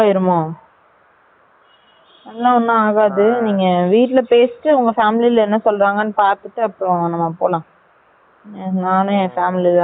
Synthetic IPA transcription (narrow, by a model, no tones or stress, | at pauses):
aːɪɾɯmːõː | ɐlːãːɔnːɯaːɣaːðɯniːŋɡɐʋiːʈːɪlɐpeːsʈːɯʊŋɡɐfaːmɪlɪlɛnːɐsɔlːɾaːŋɡɐnːɯpaːɾt̪ɯʈːɯɐpːɯɾɔ̃nɐmːapoːlãː | naːnʊ̃faːmɪliðãː